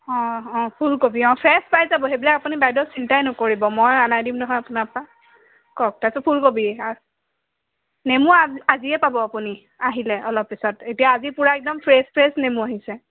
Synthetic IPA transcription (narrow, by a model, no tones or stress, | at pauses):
ɔ̃ɔ̃pʰulkobiɔ̃pʰɹɛspajzabɔɦebilakapunibajdɔsintajnɔkoɹibɔmojanajdimnɔɦɔjapunapa | kɔk̚tajsɔpʰulkobia | nemuaaziɛpabɔapuni | aɦilɛʔɔlɔpːisɔtetijaːzipuɹaɛk̚dɔmpʰɹespʰɹɛsnemuaɦisɛ